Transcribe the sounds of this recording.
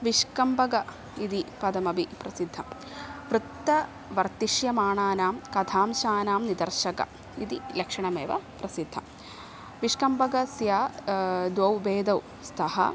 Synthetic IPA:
ʋiʂkɐmbɐɡɐ | id̪ipɐd̪ɐmɐbʱipɾɐsid̪ʱːɐm | ʋɾut̪ːɐ | ʋɐɾt̪iʃjɐmaːɳaːnaːmkɐd̪ʱʰaːmʃaːnaːmnid̪ɐɾʃɐkɐ̰ | id̪ilɐkʂɐɳɐmeːʋɐ̰pɾɐsid̪ʱːɐ̰ | ʋiʂkɐmbɐɡɐsjaːd̪wɐwbeːd̪ɐw | st̪ʰɐɦɐ̰

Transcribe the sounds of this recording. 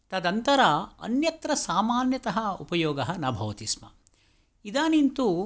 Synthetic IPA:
t̪ɐd̪ɐnt̪ɐɾaɐ̰njɐt̪ɾɐsaːmaːnjɐt̪ɐɦɐupɐjoːɡɐɦɐnɐbʱɐʋɐt̪ismɐ | id̪aːnint̪u

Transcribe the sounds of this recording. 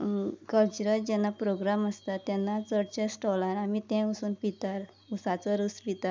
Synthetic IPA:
kəlt͡ɕuɾəld͡ʑɛnːapɾoɡɾaməst̪at̪ːɛ̃nːat͡səɽt͡ɕẽsʈɔlaɾamit̪ɛ̃usuːnpit̪aɾ | usat͡səɾuspit̪aɾ

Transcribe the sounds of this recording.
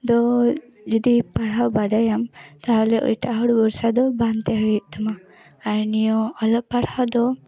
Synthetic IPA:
d̪ɔ | d͡ʒɔd̪ipaɽawbaɖajamt̪aɦɔlɛʔɔ̰jʈaʔɦɔɽbɔɾsad̪ɔbant̪ɛɦɔjuʔ̚t̪amaː | ɾnijɔɔlɔʔ̚paɽhawd̪ɔ

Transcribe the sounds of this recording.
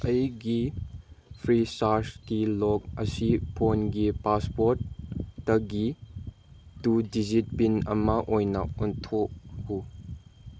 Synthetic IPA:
ʔəjɡi | fʰɾisaskilɔk̚əsipʰɔnɡipaspɔɾtːɐɡi | tudizit̚pinɐ̰maʔɔjna̰ʔɔntʰɔʔhu

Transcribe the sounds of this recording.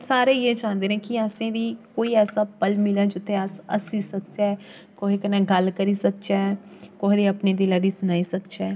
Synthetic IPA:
saːɾeːjeːd͡ʒãːnd̪eːɾɛ̃kiəsẽːd̪iːkoːiɛːsapəlmɪlãd͡ʒʊt̪ʰːeasə̰sisəkt͡ʃɛː | koːikənẽɡəlkəɾisək̚t͡ʃɛkoːɦd̪iːəpned̪ɪlad̪iːsʊnaːisəkt͡ʃɛː

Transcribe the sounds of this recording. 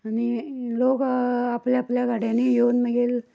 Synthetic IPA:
aniloːkapljapljaɡʱaɽãnijoːnməɡeːl

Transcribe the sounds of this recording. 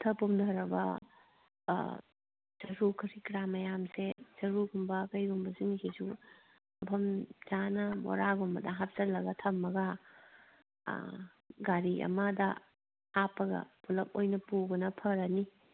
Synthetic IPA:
tʰɐpumdʱɐɾɐbɐ̰ | z̥ɐɾukʰɐɾikɾamɐjamsez̥ɐɾuɡumbɐkɐjɡumbɐsunikʰesu | ɐpʰɐmzanɐbɔ̰ɾaɡumbɐdɐɦap̚zɐlːɐɡɐtʰɐmːɐɡɐ | ɡaɾiʔɐ̰mɐdɐ | apɐɡɐ̰bulɐp̚ojnɐpubɐnɐpʰɐɾɐni

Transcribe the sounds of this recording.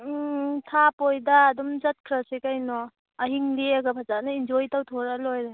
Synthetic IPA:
tʰapojdaːdɔmzat̚kʰɾasikajnɔ | aɦiŋleaɡabʰazanaind͡ʒojtawtʰɔɾalojɾa

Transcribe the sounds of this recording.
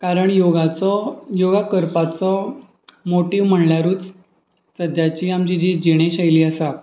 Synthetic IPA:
kaɾəɳjoɡat͡sɔjoɡakəɾpat͡sɔ | moʈiʋm̤əɳljaɾuːt͡s | səd̪ʱjat͡ɕiːamt͡ɕid͡ʑid͡ʑiɽ̃eɕajliːəsa

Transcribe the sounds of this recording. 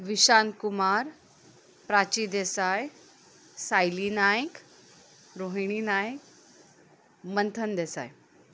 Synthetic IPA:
ʋiɕankumaɾ | pɾat͡ɕid̪esaj | sajlinajk | ɾoɦɳ̃inajk̚ | mənt̪ʰənd̪esa̰j

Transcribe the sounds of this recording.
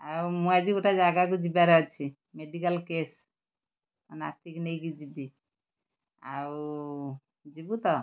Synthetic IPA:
aumuad͡ʒioʈad͡ʒaɡak̬ud͡ʒibaɾəɦt͡ʃʰi | meɖikəlkes | əna̰t̪iknɛiɡid͡ʒibi | au | d͡ʒibut̪ɔ

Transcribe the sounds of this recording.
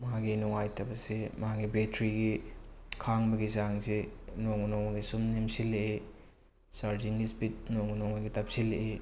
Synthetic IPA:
mɐɦaɡinuŋajtʰɐbɐsemɐɦaɡibetɾiɡikʰaŋbɐɡizaŋsenoŋnoŋɐɡisumnimsilːee | saɾziŋɡispit̚noŋunoŋɐɡitap̚silːeʔe

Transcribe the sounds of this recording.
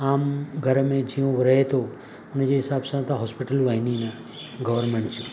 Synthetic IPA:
aːmɡʱəɾmẽd͡ʒiũʋɾəɦet̪o | ned͡ʒeɦɪsabsə̃t̪aɦɔspiʈəlʋaɦinina | ɡəʋəɾmeɳt͡ʃʰu

